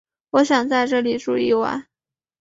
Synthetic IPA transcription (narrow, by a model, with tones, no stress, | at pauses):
wɔ˧˥ɕjɑ˨˩ŋt͡sa˥˧ɪʈ͡ʂɤ˥˩li˨˩ʈ͡ʂu˥˧i˥˩wə̰˧˥n